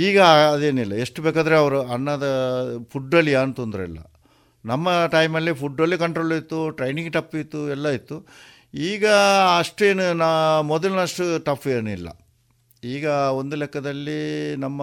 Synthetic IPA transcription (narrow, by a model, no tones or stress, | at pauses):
iːɡɐːd̪e̞ːnilːɐe̞ʂʈubeːkaːd̪ɐɾeɐʋɐɾuɐnːɐd̪ɐpʰuɖːɐlijaːnt̪ond̪ɾɛ̰lːɐ̰ | nɐmːɐʈɐjmɐlːipʰuɖːɐlːikɐɳʈɾoːlɐit̪ːuʈɾɐjniŋɡʈɐpːit̪ːuɛlːɐit̪ːu | iːɡɐɐʂʈe̞ːnunamɔd̪ɐlnɐʂʈuʈɐpʰːeːnuilːɐ̰ | iːɡɐo̞nd̪ulɛkːɐd̪ɐlːinɐmːɐ